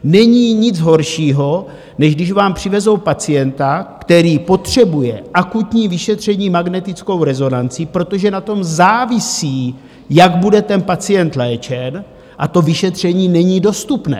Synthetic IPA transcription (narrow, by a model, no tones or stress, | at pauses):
nɛɲiːɲɪd͡zɦo̞ɾʃiːɦo̞ | nɛʒɡdɪʃvaːmpr̝̥ɪvɛzo̞wpat͡sɪjɛnt̪akt̪ɛɾiːpo̞t̪r̝̥ɛbujɛʔakut̪ɲiːvɪʃɛt̪r̝̥ɛɲiːmaɡnɛt̪ɪt͡sko̞wɾɛzo̞nant͡sɪpɾo̞t̪o̞ʒɛnat̪o̞mzaːvɪsiː | jaɡbudɛt̪ɛnpat͡sɪjɛnt̪lɛːt͡ʃɛn | ʔat̪o̞vɪʃɛt̪r̝̥ɛɲiːnɛɲiːdo̞st̪upnɛ̰ː